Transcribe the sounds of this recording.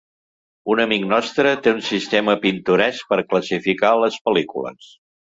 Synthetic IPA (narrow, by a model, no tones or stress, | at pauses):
unəmiknɔst̪ɾət̪eunsist̪eməpint̪uɾɛs̚pəɾkləsifikaləspəlikulə̰s